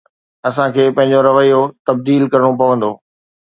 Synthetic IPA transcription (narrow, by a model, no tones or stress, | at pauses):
ɐsãkʰeːpɐ̃ɦɪ̃ɲ̆d͡ʑoɾɐʋəijot̪ɐb̚d̪iːlkɐɾɽ̃opɐʋə̃nd̪oː